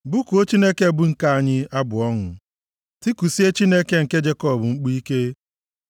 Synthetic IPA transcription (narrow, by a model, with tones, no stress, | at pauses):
bʊ˦ko˦t͡ʃi˦ne˦ke˦˨bʊ˦ŋ̩˨ka˦a˨ɲɪ˦a˦bʊ˨ɔ˦ŋʊ˨ | ti˦ku˨si˦e˦t͡ʃi˦ne˦ke˦ŋ̩˨ke˦d͡ʒe˦kɔ˦˨bʊ˨ŋ͡m̩˦k͡pu˦i˦ke˦